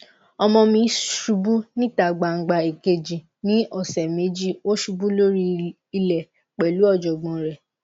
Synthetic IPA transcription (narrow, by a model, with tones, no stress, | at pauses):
ɔ˧mɔ̃˧mĩ˧ʃu˧˦bu˦nĩ˦˨ta˨ɡ͡ba˨ŋ̩˨ɡ͡ba˧e˨ke˧d͡ʒĩ˨ | nĩ˦ʔɔ˦˨sɛ˨me˨˦d͡ʒi˦o˦ʃu˧bu˦lo˦ɾi˧ | i˧lɛ˨ | k͡pɛ˨lu˦ɔ˦˨d͡ʒɔ˨ɡ͡bɔ̃˨ɾɛ˨